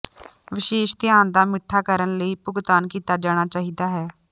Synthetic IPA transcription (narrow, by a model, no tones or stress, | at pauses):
ʋɪʃeːʃt̪ɪjaːnd̪aːmɪʈʰːaːkəɾənləiːpʊɡt̪aːnkiːt̪aːd͡ʒaːɽ̃aːt͡ʃaːɦiːd̪aːɦɛː